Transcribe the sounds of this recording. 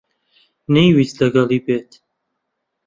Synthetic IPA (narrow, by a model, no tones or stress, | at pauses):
nɛjwislɐɡɐlˠiːbeːt̪ʰ